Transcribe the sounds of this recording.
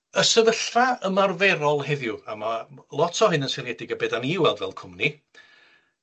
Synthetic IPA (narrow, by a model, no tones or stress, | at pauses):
əsəvəɬraəmarvɛɾɔlˠɦɛðjʊamalˠɔtʰɔɦɪnənsɛɾɛdɪɡəbɛdaniwɛlˠdvɛ̰l̚ˠkʰʊmni